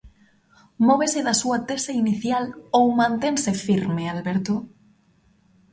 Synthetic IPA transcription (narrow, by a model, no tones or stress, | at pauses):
mɔβ̞eseðasuat̪eseiniθjalowmãnt̪ẽnsefiɾmealβeɾt̪o